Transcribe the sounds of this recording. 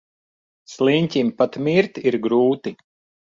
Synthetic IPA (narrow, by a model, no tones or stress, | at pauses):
slˠiɲʲtʲimpat̪miɾt̪iɾɡɾuːt̪i